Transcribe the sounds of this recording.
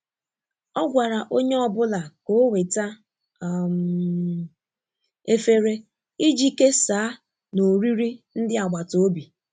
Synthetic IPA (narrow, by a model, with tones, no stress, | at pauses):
ɔ˦ɡʷa˨ɾa˨ʔo˦ɲe˦ɔ˨bʊ˦la˨ko˨˦we˨ta˦˨ | m | e˦fe˦ɾe˦ | i˦d͡ʒi˦ke˦saː˨˦ | no˨ɾi˦ɾi˦n̩˦dɪ˦a˨ɡ͡ba˨to˨o˦bi˨